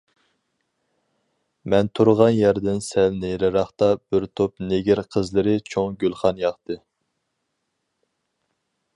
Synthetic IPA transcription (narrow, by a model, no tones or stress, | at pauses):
mɛnt̪ʰuɾʁɑnjæɾd̪ɪnsɛlnejɾɪɾɑχt̪ɑbɪɾt̪ʰopneɡʲiɾqʰəzlˠɨɾɪt͡ʃʰoŋɡʲølˠχɑnjɑχt̪ɨ